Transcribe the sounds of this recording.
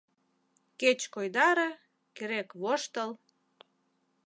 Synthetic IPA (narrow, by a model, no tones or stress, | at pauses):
ket͡ɕkojd̪ɑɾĕ | keɾekβoʃt̪əl